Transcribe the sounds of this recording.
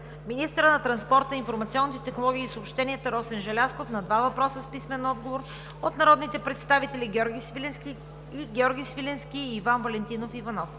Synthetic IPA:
minist̪əɾənɐt̪ɾɐnspɔɾt̪əinfoɾmɐt̪siɔnːit̪ɛt̪ɛxnolˠɔɡʲiːsoːpʃt̪ɛnʲiət̪əɾɔsɛnʒɐlʲaskofnɐd̪vavɐpɾɔsəspismɛnɔd̪̚ɡovoɾ | ot̪nɐɾɔd̪nit̪ɛpɾɛt̪st̪avit̪ɛlʲiɡʲɔɾɡʲ | iɡʲɛɔɾɡʲisvilʲɛnskʲiːvanvɐlɛnt̪inofivɐnɔf

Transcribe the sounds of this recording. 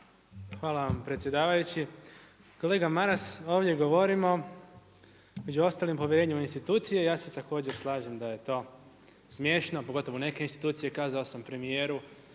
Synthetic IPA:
xʋaːlaʋampɾet̪sjed̪aːʋajut͡ɕi | ko̞le̞ːɡamaɾasoːʋdje̞ɡo̞ʋo̞ɾimo̞ | me̞d͡ʑuo̞st̪aːlimpo̞ʋjeɾe̞ːɲeminst̪it̪uːt̪sijejaːse̞t̪ako̞ːd͡ʑe̞ɾslˠaːʒemd̪aje̞t̪o̞ː | smje̞ːʃno̞poɡo̞t̪o̞ʋone̞ke̞inst̪i̥t̪uːt̪sije̞kaːzaosampɾe̞mijeːɾu

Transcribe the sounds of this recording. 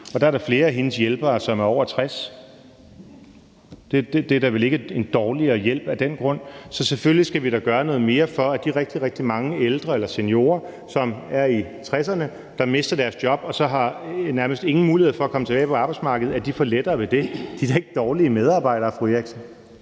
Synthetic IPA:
ɒ̽d̥ɑ̈æɐ̥ɑ̈fle̝ːɐæɦe̝nəsjelb̥ɐːsɒ̽mæɐɒ̰ʊ̰ɐt͡sʰʁas | d̥e̝d̥ed̥eɐɾ̥ɑʋele̝ɡ̥əe̝nd̥ɒːliɐːjel̰b̥æd̥en̰ɡ̥ʁɔ̽n̰sɒ̽seføllisɡ̥æʋiɾ̥ɑɡ̥ɶɐnɔ̽ð̩ˠme̝ːɐfɒ̽æd̥iɐʁɛɡ̥̚d̥iʁɛɡ̥̚d̥imɑ̈ŋəeld̥ʁɐelɐsenjo̝̰ːɐ | sɒ̽mæɐit͡sʰʁɛsɐnə | d̥ɑ̈me̝sd̥ɐd̥æɐsd̥jɒ̽b̥ɒ̽sɒ̽ɦɑ̈næɐməsd̥e̝ŋn̩muːlieð̰ˠfɒːkʰɒ̽mət͡sʰe̥ɛ̰ːɪpʰɒ̽ɑ̈ːb̥ɑ̈ɪ̥smɑ̈ːɡəð̩ˠæd̥ifɒled̥ɐːʋe̝d̥e̝d̥id̥ɑe̝ɡ̥əd̥ɒːliəmeð̞ˠɑ̈ːb̥ɑ̈ɪ̰ɾ̥ɐːfʁueɡ̥sn

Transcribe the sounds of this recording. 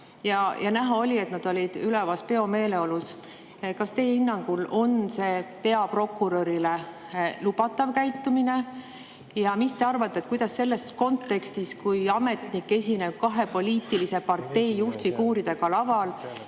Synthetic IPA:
jɑjʔɑnæɦɑo̞lʲie̞t̪nɑd̪̥o̞lʲid̪̥ylɛvɑspe̞o̞me̞ːle̞o̞lus | kɑst̪e̞jhinːɑŋɡ̥ulo̞nse̞ːpe̞ɑpro̞kːˑuɾo̞ɾile | lub̥ɑt̪ːˑɑvkæjt̪ːˑumine̞ | jɑmist̪e̞ɑrvɑt̪ːˑet̪kujd̪̥ɑsːe̞lːe̞sko̞nt̪ːˑe̞kst̪iskujɑme̞t̪nikːe̞sʲine̞b̥̚kɑɦe̞po̞lʲiːt̪ːˑilise̞pɑrt̪ːe̞jːuht̪fikuːɾid̪̥e̞ɡ̥ɑlɑvɑl

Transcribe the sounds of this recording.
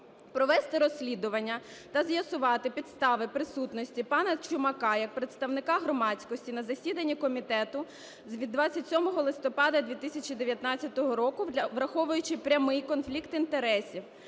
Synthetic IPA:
pɾɔʋɛst̪ɪɾɔsʲːlʲid̪ʊʋɐnʲːɐ | t̪ɐzjɐsʊʋɑt̪ɪpʲid̪st̪ɑʋɪpɾɪsut̪nɔsʲtʲipɑnɐt͡ʃʊmɐkɑjɐk̚pɾet̪st̪ɐʋnɪkɑɦɾɔmɑt͡sʲkɔsʲtʲinɐzɐsʲid̪ɐnʲːikɔmʲit̪ɛt̪ʊ | zʋʲid̪ːʋɑt͡sʲːɐtʲsʲɔmɔɦɔlˠɪst̪ɔpɑd̪ɐd̪ʲʋʲit̪ɪsʲɐt͡ʃid̪eʋʲjɐt̪nɑt͡st͡sʲːɐt̪ɔɦɔɾɔkʊʋɾɐxɔʋʊjʊt͡ʃɪpɾʲɐmɪjkɔnflʲikt̪int̪eɾɛsʲiw

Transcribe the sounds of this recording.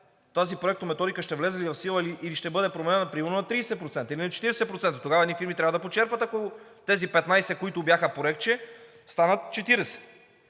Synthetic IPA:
t̪azipɾoɛkt̪omɛt̪ɔd̪ikəʃt̪ɛvlɛzɛlivɐfsilˠəiliʔiliʃt̪ɛbɤd̪ɛpɾomɛnɛnɐpɾimɛlnonɐt̪ɾiːsɛpɾot̪sɛnt̪əilinɐt͡ʃɛt̪iɾɛsɛpɾot̪sɛnt̪ɐt̪oɡavɐɛnifiɾmit̪ɾʲavəd̪ɐpot͡ʃɛɾpvət̪ɐko | t̪ɛzipɛt̪najsɛkoit̪ʊbʲjaxəpoɾɛk̚t͡ʃɛ | st̪anət̪̚t͡ʃɛt̪iɾɛsɛ̥

